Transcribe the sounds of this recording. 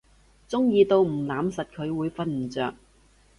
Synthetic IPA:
t͡sʊ˥ŋjiː˧t̪o˧wm̩˨˩laː˨˥msɐ˨t̚kʰɵ˨˧ɥwuː˨˧jfɐ˥nm̩˨˩t͡sœ̰ː˨k̚

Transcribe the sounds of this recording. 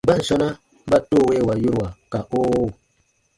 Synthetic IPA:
ba˦n̩˨sɔ˦na˦ | ba˦to˦˨we˦˨wa˨ju˦ɾwa˨ka˨oː˦˨

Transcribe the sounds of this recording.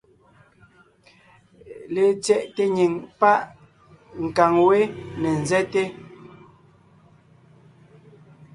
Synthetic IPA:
le˨t͡sjɛ˦ʔte˦ɲi˨ŋpa˦ʔ | ŋ̩˨ka˨ŋwe˦ne˨n̩˨zɛ˦te˦

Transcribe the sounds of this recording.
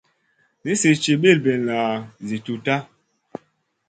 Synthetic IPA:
ni˦se˨t͡ʃe˨ɓe˦˨lbe˨nla˨zi˨tu˨ta˦

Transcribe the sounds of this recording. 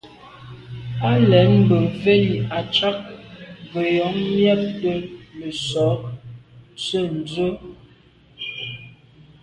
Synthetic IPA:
a˦lɛ˨˦m̩˦bə˨ve˦ji˨a˨t͡ʃa˦k̚və˨jɔ˨˦ŋmjɛ˦p̚də˦mə˨sɔ˨˦ | t͡sə˦˨n̩˨d͡zə˦

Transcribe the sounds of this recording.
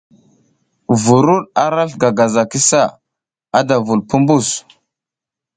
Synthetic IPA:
vu˨ɾu˦ɗa˦ɾa˦ɬɡa˨ɡa˨za˨ki˦sa˦˨ | a˦da˨vu˨lpu˦mbu˦˨s

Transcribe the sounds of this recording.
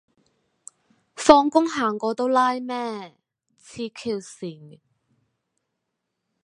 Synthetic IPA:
fɔː˧ŋkʊ˥ŋɦaː˨˩ŋkɔː˨˧t̪o˥wlaː˥jmɛː˥ | t͡sʰiː˧kʰiː˧wsiː˨˩ŋ

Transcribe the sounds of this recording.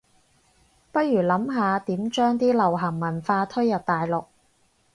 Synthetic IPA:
pɐ˥ɥyː˨˩lɐ˨˥mɦaː˨˧t̪iː˨˥mt͡ʃœː˥ŋt̪iː˥lɐ˨˩wɦɐ˨˩ŋmɐ˨˩nfaː˧t̪ʰɵ˥ɥjɐ˨˩t̚t̪aː˨jlʊ˨k̚

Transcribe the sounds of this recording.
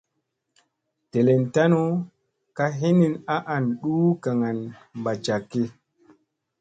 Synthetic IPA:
te˨le˨nta˦no˦ | ka˦ɦi˦ni˦˨na˦ʔa˨nɗuː˦ka˨ŋa˨nmba˨t͡ʃa˨kːi˦

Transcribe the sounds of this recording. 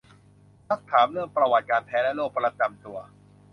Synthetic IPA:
t̪ʰa˦˥˩t̪ʰːaː˩˦mɾɯ˥˩əŋpɾa˧wa˨˩t̪̚kaː˧nt̪ʰɛː˦˥lɛ˦˥loː˥˩k̚pɾa˧t͡ɕa˧mt̪u˧ɐ

